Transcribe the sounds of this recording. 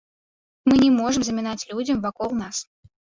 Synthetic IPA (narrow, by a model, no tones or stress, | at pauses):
mɨnʲɛmɔʐɨmzɐmʲɪnat͡sʲlʲud͡zʲɐmvakɔlˠnas